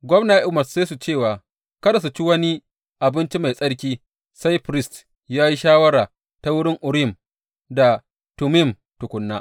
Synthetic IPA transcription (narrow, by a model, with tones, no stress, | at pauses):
ɡʷɔ˦mna˨ʔʔʊ˦mɐ˨sseː˦su˨t͡ʃeː˦˨waː˨ | kɐ˦da˨s̬u˨t͡ʃi˦wɐ˦ni˦ | ʔa˨bɪ˦nt͡ʃi˦ma˨jsʼɐ˦ɽk̬ʲiː˦ | sa˦jɸɾɪ˦˨st | jaː˦ji˦ʃaː˦wɐ˦ɽa˨ | tɐa˦wʊ˦ɽɪ˦ŋʔʊ˨ɽɪ˨m | da˨ | tʊ˨mɪ˦˨m | tʊ˨kʷʊ˦nːaː˦